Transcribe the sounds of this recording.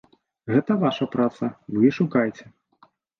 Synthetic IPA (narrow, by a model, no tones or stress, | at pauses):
ɣɛt̪ɐvaʂɐpɾat̪sɐvɨʂukajt͡sʲɛ